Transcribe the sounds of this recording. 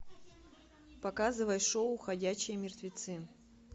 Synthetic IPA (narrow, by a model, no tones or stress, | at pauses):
pɐkazɨvɐjʂoʊːxɐdʲæɕːɪjəmʲɪrt̪vʲɪt̪sɨ